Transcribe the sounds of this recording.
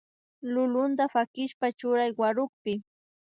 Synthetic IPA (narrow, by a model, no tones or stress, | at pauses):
lʊlʊnd̪afakɪʃpat͡ʃʊɾajwaɾʊk̚pɪ